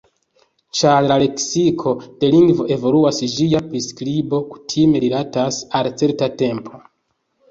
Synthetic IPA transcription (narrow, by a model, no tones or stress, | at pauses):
t͡ʃaɾlale̞ksikʰo̞d̥e̞liŋɡvo̞ʔe̞vo̞luasd͡ʒijapɾiskɾibo̞ku̥tʰime̞ɾilatasalt͡se̞ɾtate̞mpʰo̞